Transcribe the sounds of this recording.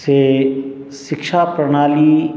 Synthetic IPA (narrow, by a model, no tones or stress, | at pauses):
se | ʃɪkʃapɾɐɽ̃aːli